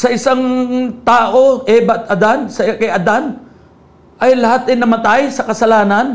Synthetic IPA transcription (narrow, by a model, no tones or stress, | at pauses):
sɐɪsaŋt̪aːʔo̞ʔɛːbɐt̪̚ʔɐd̪ansɐkɐjʔɐd̪an | ʔɐjlɐhat̪̚dɪnːɐmɐt̪ajsɐkɐsɐlaːnɐn